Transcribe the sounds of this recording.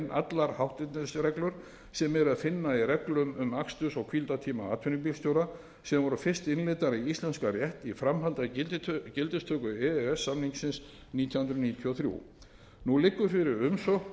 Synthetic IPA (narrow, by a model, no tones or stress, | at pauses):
nʔa̰t̪laɾ̥hawht̪ɪt̪nɪsɾɛklʏɾ̥ | sɛmɛɾaðfɪnːairɛklʏmʏmakst̪ʏsɔɣkʰvilt̪at̪ʰiːmaaːt̪ʰʏniŋpilst̪jowɾa | sɛmvɔɾʏfɪr̥st̪ɪnlɪːt̪aɾiist̪lɛnskarjɛht̪ifɾamɦalt̪at̪cɪlt̪ɪst̪ʰœːkʏɛɛsːamniŋksɪns | niːt̪ʰjɔhʏnɾniːt̪ʰjiɔθɾjṵ | nulɪkːʏfɪɾɪɾʏmsɔx